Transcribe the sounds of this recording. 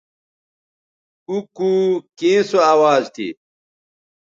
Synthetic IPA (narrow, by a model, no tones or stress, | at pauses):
ukukĩːsoaːwaːzt̪ʰḭ